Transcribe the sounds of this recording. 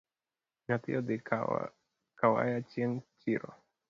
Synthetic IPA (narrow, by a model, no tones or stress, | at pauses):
ɲat̪ḭod̪ḛ | kawa̰jat͡ʃjɛŋt͡ʃiɾɔ̰